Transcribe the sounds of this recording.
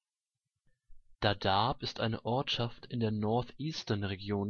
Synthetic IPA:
d̥adapɪstʔa̰ɪnə̰ʔɔɐtʃaftʰɪndeːɐnɔɐtʔiːstɐnʁeɡjoːn

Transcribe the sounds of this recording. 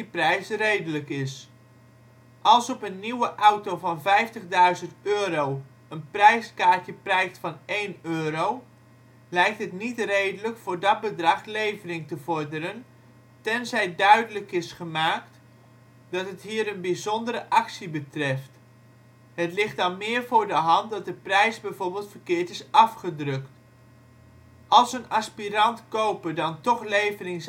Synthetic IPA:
iprɛjsrejdələkɪs | ʔɑlˠsɔpənːiwəʔawtowvɑnvɛjftəɣdœɥzəntøːɾow | ənprɛjskaːtjəprɛjstfɑnejnøːɾow | lɛjk̚tɦətnitrejdələkfʊːrdɔt̚bədrɑχlejvərɪŋtəvɔrdəɾən | tɛnzɛjdœɥdələkɪsχəmaːkt | dɑtɦətɦiːɾənbizɔndəɾəʔɑksibətrɛft | hətlɪχt̚dɑnmɪːəɹvʊːɹdəɦɑnt̚dɑt̚dəprɛjzbɛjvoːɹbɪːlˠtfərkɪːɹtɪsɑfχədrɵkt | ʔɑlˠsənaspirɑntkowpəɹdɑntɔχlejvərɪŋs

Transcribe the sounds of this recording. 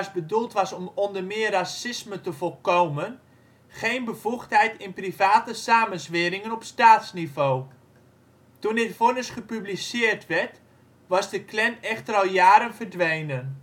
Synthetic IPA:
sbədulˠtʋɑsɔmɔndərmɪːərrasɪsmətəvɔlˠkowmən | χejnbəv̥uχtɦɛjtɪnprivaːtəsaːmənsʋɪɾɪŋənɔpstaːtsnivoː | tundɪtfʊnəsχəpyblisɪːərtʋɛrt | ʋɑzdəklɛnɛxtərɑlˠjaːɾənvərdʋejnən

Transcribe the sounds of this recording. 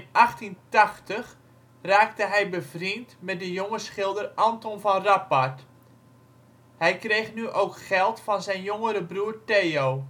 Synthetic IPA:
nʔɑχtintaχtəχ | raːktəɦɛjbəvrintmɛt̚dəjoŋəsχɪlˠdərʔɑntɔnvɑnrapart | hɛjkrejχnyʔowkχɛlˠtfɑnzɛjnjoŋəɾəbruːrteːo

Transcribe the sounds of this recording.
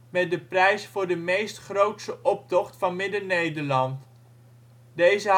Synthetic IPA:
mɛt̚dəprɛjsfʊːɹdəmejstχrowtstəʔɔp̚tɔχtfɑnmɪdənejdəɹlɑnt | dejzə

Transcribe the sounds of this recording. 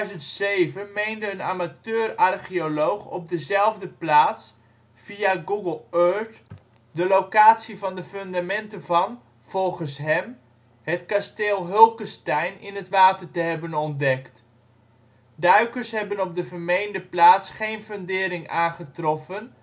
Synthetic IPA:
dɥzəntsejvənmejndəənaːmatøːrarχiolowχɔ̰p̚dəzɛlˠvdəplaːts | fiaɡuɡəlˠøɹt | dəlowkaːtsivɑndəføndamɛntəvɑn | v̥ɔlˠχənsɦɛm | hətkasteːlˠɦølˠkəstɛjnɪnɦətʋaːtərtəɦɛbənɔndɛkt | dœɥkərsɦɛbənɔp̚dəvərmejndəplaːtsχejnføndɪːɾɪŋaːnχətrɔfən

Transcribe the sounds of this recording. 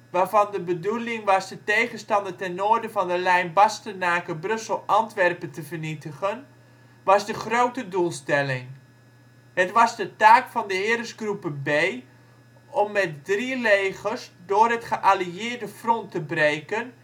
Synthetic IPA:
ʋaːrvɑndəbədulɪŋʋɑsdətejɣənstɑndətɛnoərdəfɔndəlɛjnbɑstənaːkəbrɵsəl̩ˠʔɑntʋɛrpəntəvərnitəχən | ʋɑzdəχroːwtədulˠstɛlɪŋ | hətʋɑzdətaːkfɔndəɦɪəɾəsɡrupənbeː | ɔmːɛt̚drileːɣərsdʊːrətχəʔaliɪərdəfrɔntːəbreːkən

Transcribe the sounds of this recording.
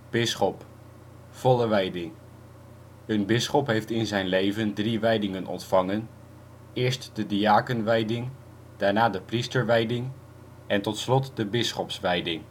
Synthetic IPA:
b̥ɪsχɔp | fɔləʋɛjdɪŋ | ənbɪsχɔpɦejftɪnzɛjnlejvəndriʋɛjdɪŋənʔɔ̰ntfɑŋən | ɪːɹstdədiaːkənʋɛjdɪŋ | d̥aːɹnaːdəpristəɹʋɛjdɪŋ | ʔɛntɔtslɔtdəbɪsχɔpsʋɛjdɪŋ

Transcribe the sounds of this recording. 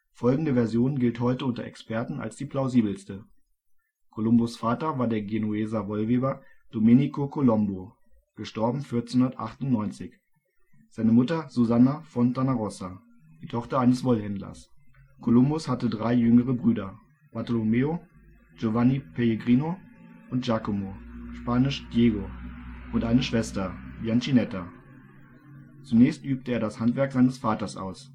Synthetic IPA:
fɔlɡŋ̩dəvɛɐzjoːnɡɪlthɔʏtəʊntɐ̰ʔɛ̰kspɛɐtn̩a̰lsd̥iːpʰl̥aʊziːbl̩stə | kʰolʊmbʊsfaːtɐvaːɐdeːɐɡenueːzavɔlveːbɐ | d̥omenikʰokʰolɔmbo | ɡ̥əʃtɔɐbm̩fɪɐt͡senhʊndɐtʔa̰χtʊntnɔʏnt͡sɪç | z̥aɪnəmʊtɐzuzanafɔntʰanaʁɔsa | d̥iːtʰɔχtɐaɪnəsv̥ɔlhɛndlɐ̰s | kʰolʊmbʊshatədʁaɪjʏŋəʁəbʁyːdɐ | b̥aɐtolomeo | d͡ʒovanipʰeleɡʁiːnoʔʊntʒ̥akomoʃpaːnɪʃd̥jeːɡoʔʊntʔaɪnəʃv̥ɛstɐbjant͡ʃinɛta | t͡sunɛːçstʔyːp̚təeːɐɾashantv̥ɛɐkz̥aɪnəsfaːtɐsʔa̰ʊs

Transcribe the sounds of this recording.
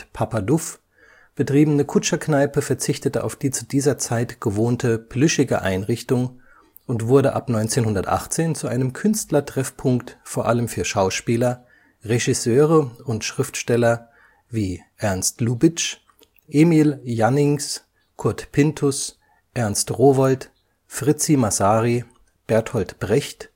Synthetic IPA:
pʰapadʊf | b̥ətʁ̥iːbənəkʰʊt͡ʃɐknaɪpəfɛɐt͡sɪçtətəʔa̰ʊfd̥iːt͡su̥diːzɐt͡saɪtɡ̥əvoːntʰəplʏʃɪɡə̰ʔa̰ɪnʁɪçtʊŋ | ʔʊntv̥ʊɐɾəʔapnɔʏnt͡seːnhʊndɐtʔa̰χt͡seːnt͡suʔa̰ɪnəmkʰʏnstlɐtʁ̥ɛfpʰʊŋktfoːɐʔaləmfyːɐʃaʊʃpiːlɐ | ʁeʒisøːʁəʊntʃʁ̥ɪftʃtɛlɐ | viːʔɛɐnstluːbɪt͡ʃ | ʔeːmiːljanɪŋs | kʰʊɐtpʰɪntʰʊs | ʔɛɐnstʁoːvɔlt | fʁ̥ɪt͡simasaːʁi | b̥ɛɐthɔltb̥ʁɛçt

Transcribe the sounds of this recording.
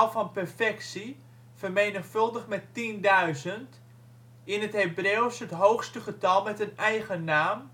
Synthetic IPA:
lˠfɔnpərfɛksi | fərmejnəχfɵlˠdəχmɛtindœɥzənt | ɪnətɦebreːwsətɦowxstəχətɑlˠmɛtənɛjɣənaːm

